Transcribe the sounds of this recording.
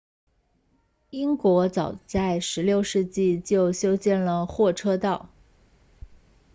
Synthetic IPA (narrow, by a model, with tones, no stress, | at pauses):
i˥ŋkwɔ˧˥t͡sɑ˨˩ʊt͡sa˥˩ɪʂɻ̩˧˥ljo˥˧ʊʂɻ̩˥˧t͡ɕi˥˧t͡ɕjo˥˩ʊɕjo˥ʊɕjɛ˥˩nlə˩xwɔ˥˩ʈ͡ʂʰɤ˥t̪ɑ˥˩ʊ